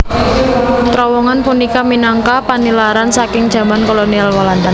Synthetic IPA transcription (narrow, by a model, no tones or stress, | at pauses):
t̪ɾɔwɔŋanpunikaminaŋkapanilaɾansakɪŋd̥ʒ̥ä̤mankɔlonialwaland̪a